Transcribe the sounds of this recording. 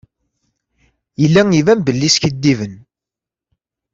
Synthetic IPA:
jəlːæŋivæmbəlːisçəd̪ːivən

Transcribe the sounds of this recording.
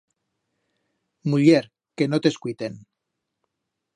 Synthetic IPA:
muʎeɾ | kenot̪eskuijt̪en

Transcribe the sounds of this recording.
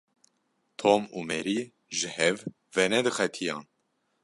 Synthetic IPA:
t̪ʰoːmuːmɛɾi | ʒɨhɛv | vɛnɛd̪ɨxɛt̪ʰijɑːn

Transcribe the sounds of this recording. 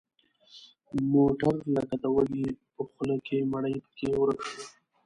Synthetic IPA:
moʈaɾlaɡ̪ad̪awalipəxʊlakemaɽəjpə̥kewəɾəkʂə

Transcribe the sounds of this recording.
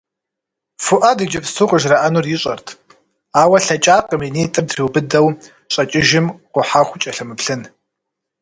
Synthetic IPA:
fʊʔadid͡ʒɐpstʰuqʼʊʒraʔanurjɪɕʼɐrtʰ | aːwɐɬɐt͡ʃʼaːqʼəminitʼɨmdriwbɨdɐw | ɕʼɐt͡ʃʼɪʒɪmqʷʊħaχʷʊt͡ʃʼɐɬɐmɨpɬɨn

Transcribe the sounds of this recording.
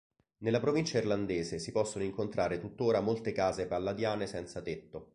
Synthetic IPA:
nelːapɾovint͡ʃairland̪eːzesipɔsːonoiŋkont̪ɾʔaːɾet̪ut̪ːoːɾamolt̪ekaːzepalːad̪jaːnesɛnt̪sat̪et̪ːo

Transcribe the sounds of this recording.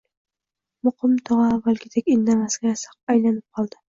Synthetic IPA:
mʊqɨmt̪ʰɒʁɑːvːalkʲɪd̪ekʲɪnd̪amasɡʲasɑ̥q̚ajlanɪp̚qʰɒlˠd̪ɪ

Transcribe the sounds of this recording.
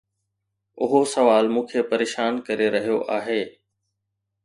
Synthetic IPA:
ʊɦosɐʋaːlmũːkʰepɐɾeːʃaːnkɐɾeɾɐɦijoʔaːɦeː

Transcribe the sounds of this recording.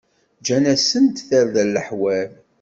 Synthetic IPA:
d͡ʒænæsənt̪θəɾðælːəħwæl

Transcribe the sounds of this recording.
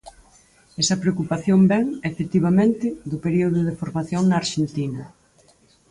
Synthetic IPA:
ɛsɐpɾeokupaθjombɛŋefet̪iβ̞amẽnt̪ɪðʊpeɾioðʊð̞efoɾmaθjoŋnɐaːɾʃent̪inɐ

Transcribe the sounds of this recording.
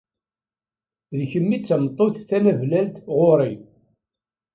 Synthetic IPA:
ðçəmːit͡sːəmt̪ˤːoθθæmævlælt̪ʁoɾˤi

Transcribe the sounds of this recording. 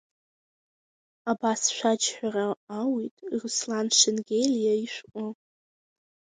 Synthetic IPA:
abasʃʷad͡ʒħʷᶣaraːwitʼruslanʂenɡʲelijaiʃʷʔʷʼʊ

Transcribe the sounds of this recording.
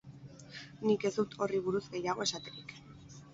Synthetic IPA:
nike̞zd̪ut̪ʰo̞riβ̞uɾuzɣe̞jaɣ̞o̞e̞sat̪e̞ɾik

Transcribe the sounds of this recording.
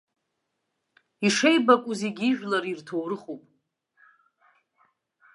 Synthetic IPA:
iʂejbakʷʼuziɡʲiʒᶣlaɾirtʰowɾɨχupʼ

